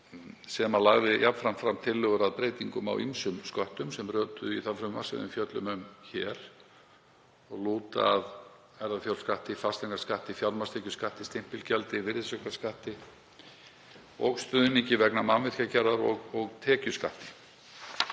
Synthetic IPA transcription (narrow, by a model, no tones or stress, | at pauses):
sɛmalaɣðɪjʔapfɾamfɾamt̪ʰɪlːʏɣʏɾaðpɾeːjt̪iŋkʏma̰wimsʏmskœht̪ʏmsɛmrœːt̪ʏiθafɾʏma̰sɪ̰ðʏ̰mfjœt̪lʏ̰mʏmçɛːɾ̥ | ɔɣluːt̪a̰ð | ɛɾðafjœw̪skaht̪ɪifast̪ɛŋkḁskaht̪ɪfjawlmast̪ɛːcʏskaht̪ɪst̪ɪm̥pɪlcɛlt̪ɪvɪɾðɪsœklḁskaht̪ɪ | ɔ̰ɣst̪œðʏnicɪvɛknamanvɪr̥cacɛɾðaɾɔ̰ɣɔɣt̪ʰɛːcʏska̰ht̪ɪ̥